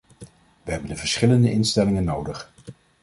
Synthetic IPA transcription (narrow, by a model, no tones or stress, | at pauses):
ʋəɦɛbəndəvəɹsχɪləndəʔɪnstɛlɪŋənːowdəχ